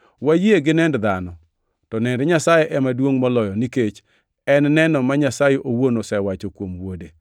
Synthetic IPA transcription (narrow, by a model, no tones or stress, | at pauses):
wajeɡɪnɛndd̪anɔ | tɔnɛndɛɲasajeʔɛmadwoŋmɔlɔjɔniket͡ʃ | ɛnnɛnɔmaɲasajeʔowonosɛwat͡ʃokwomwode